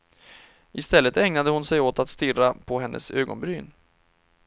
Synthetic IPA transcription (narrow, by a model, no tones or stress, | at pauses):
ʔɪst̪ɛlːət̪ɛŋnad̪əhʊnsɛjoːt̪at̪st̪ɪrːapʰɔɦɛnːʔə̰søːɡɔ̰nbɾyːn